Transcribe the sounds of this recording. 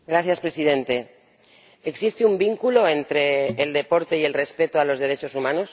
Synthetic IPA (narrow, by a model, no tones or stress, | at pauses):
ɡɾaθjaspɾe̞sið̞e̞nt̪e̞ | eksist̪eumbiŋkuloent̪ɾe̞ːld̪e̞po̞ɾt̪e̞ie̞lre̞spe̞t̪oalo̞zðe̞ɾe̞t͡ʃo̞sumãno̞s